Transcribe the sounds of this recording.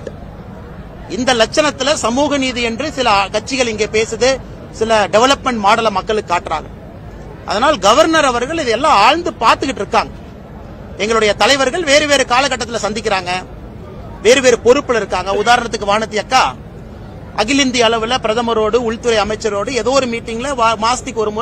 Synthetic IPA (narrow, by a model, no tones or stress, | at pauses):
ɪnd̪ɐlɐt͡ʃːɐnɐt̪ːɪlɐsɐmuːɣɐniːðiɛndrɯsɪlɐkɐʈ̚t͡ʃːɪɣɐɭɪŋɡeːpeːsɯðɯ | sɪlɐɖɛʋɐlɐpmɛɳʈmaːɽɐlɐmɐkːɐɭɯkːɯːaːʈːna̰ːl̰ | ʔɐ̰ðɐnaːlɡɐʋɐɾnɐɾɐʋɐɾɣɐɭɪðɐɛlːãːaːɻnd̪ɯpaːɾt̪ɯkːɪʈːɪɾɯkːaːŋɡɐ | ɛŋɡɐɭɯɽɐjɐt̪ɐlɐɪʋɐɾɣɐɭʋeːɾɯʋeːɾɯkaːlɐkːɐʈːɐt̪ːɪlɐsɐnd̪ɪkːɪɾaːŋɡɐ | ʋeːɾɯʋeːɾɯpɔɾɯpːɯlɪɾɯkːaːŋɡɐʊðaːɾɐɳɐt̪ːɯkːɯʋaːɾnɐt̪ːɪjɐkːaː | ʔɐɣɪlɪnd̪ɪɐɭɐʋɯlɐpɪɾɐðɐmɐɾoːɽɯʊɻt̪ːɯɾɐɪɐmɐɪt͡ʃːɐɾoːɽɯɛðoːɾɯmiːʈːɪŋɡɪlɐʋmaːst̪ɪkːɔɾɯmu